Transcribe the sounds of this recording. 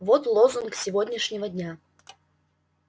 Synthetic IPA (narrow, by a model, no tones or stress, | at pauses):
vot̪lˠozunksʲɪvodʲnʲɪʂnʲɪvədʲnʲa